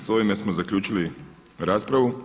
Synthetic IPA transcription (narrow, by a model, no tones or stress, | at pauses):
zoimesmozakʎʲuːt͡ʃili | ɾaːspɾaʋu